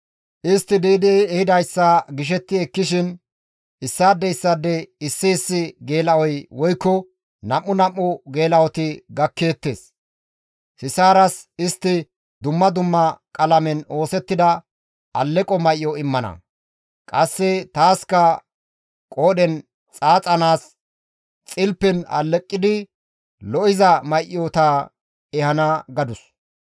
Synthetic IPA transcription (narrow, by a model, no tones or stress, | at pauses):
ʔɪst̪ːɪd̪iːd̪ɛɛhɪd̪ɐjsːɐɡɪʃ̬ɛt̪ːɪɛkːɪʃɪn | ʔɪsːaːd̪ːɛɪsːaːd̪ːɛɪsːɪsːɪɡe̞ːlɐwɔjwɔjkːɔ | nɐmːʊnɐmːʊɡe̞ːlɐwɔt̪ɪɡɐkːe̞ːt̪ːḛːs | sɪsaːɾɐsɪst̪ːɪ | d̪ʊmːɐd̪ʊmːɐkʼɐlɐmɛno̞ːsɛt̪ːɪd̪ɐ | ɐlːɛkʼɔmɐjʔːɔɪmːɐnɐ̰ | kʼɐsːɛt̪aːskɐ | kʼoːdɛn | t͡sʼaːt͡sʼɐnaːs | t͡sʼɪlpːɛnɐ̰lːɛkʼːɪd̪ɪ | lɔʔɪzɐmɐjʔɔt̪a | ɛhɐnaɡɐd̪ʊs